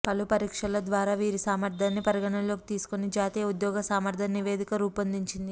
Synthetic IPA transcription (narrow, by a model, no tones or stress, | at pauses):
pɐlupɐɾiːkʂɐlɐd̪ʋaːɾaːʋiːɾisaːmɐɾd̪ʱaːnːipɐɾiɡɐɳɐmlo̞ːki̥t̪iːsu̥konid͡ʒaːt̪iːjɐud̪jɔːɡɐsaːmɐɾd̪ʱɐnniʋeːd̪ikɐɾuːpɐnd̪iɲt͡ʃind̪i